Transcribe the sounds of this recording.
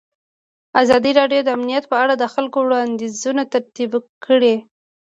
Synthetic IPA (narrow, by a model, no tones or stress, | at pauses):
azɑd̪iɾɑɖjod̪əamnijat̪pəaɽad̪əxalkowɽɑnd̪izunat̪aɾt̪ibkʰəɽe